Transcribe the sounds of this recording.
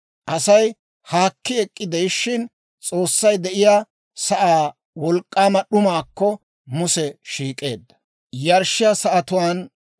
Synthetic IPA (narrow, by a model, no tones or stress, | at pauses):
ʔɐsɐj | haːkːɪɛkʼːɪd̪ɛjʃːɪn | t͡sʼo̞ːsːɐjd̪ɛʔɪjaː | sɐʔaː | wɔlkʼːaːmɐɗʊmaːkːɔ | mʊsɛʃiːkʼe̞ːd̪ːɐ̥ | jɐɾʃɪjasɐʔɐt̪ʊwaːn